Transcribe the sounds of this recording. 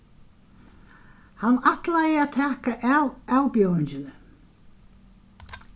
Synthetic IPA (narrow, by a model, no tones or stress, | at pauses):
hanːaht̪lajɪat̪ʰɛːhkaʔaawpjowɪɲd͡ʑɪnʏ